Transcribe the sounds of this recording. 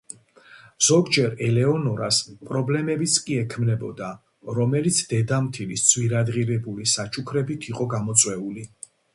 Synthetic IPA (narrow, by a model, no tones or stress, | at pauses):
z̥ɔɡd͡ʒɛɾɛlɛɔnɔɾaspʼɾɔblɛmɛbit̪sʰkʼiɛkʰmnɛbɔd̪a | ɾɔmɛlit̪sʰd̪ɛd̪amt̪ʰilisd̪z̥ʰwiɾad̪ʁiɾɛbulisat͡ʃʰukʰɾɛbit̪ʰiqʼɔɡamɔt̪sʼwɛuli